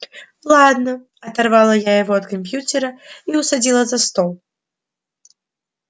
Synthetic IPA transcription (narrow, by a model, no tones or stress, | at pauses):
lˠad̪nɐ | ɐt̪arvalˠɐjajɐɣɔɐt̪kamʲp̬ʲjut̪ʲɛɾɐiusad͡zʲilˠɐzɐst̪ɔlˠ